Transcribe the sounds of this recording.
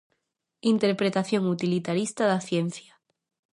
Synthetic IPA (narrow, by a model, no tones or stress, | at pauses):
int̪eɾpɾet̪aθjoŋut̪ilit̪aɾist̪aðaθjen̟θja